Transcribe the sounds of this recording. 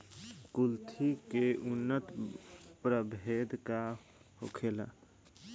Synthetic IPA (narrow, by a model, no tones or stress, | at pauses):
kult̪ʰikeʔʊnːət̪pɾəbʱed̪ka | ho̰kʰela̰